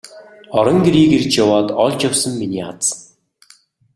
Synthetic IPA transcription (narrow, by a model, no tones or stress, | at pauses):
ɔɾɞ̆ŋɡeɾiːkert͡ɕjawaːt̪ɔɮt͡ɕjawsə̆mːiniːa̰t͡s